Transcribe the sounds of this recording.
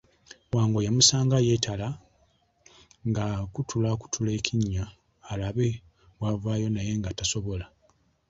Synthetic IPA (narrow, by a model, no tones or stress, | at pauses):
waːŋɡo̞jamusaːŋɡaje̞tʰala | ŋɡakutʰulaku̥tʰule̞ːkʰiɲːaː | laβe | wavaːjo̞naje̞ŋɡataso̞βo̞la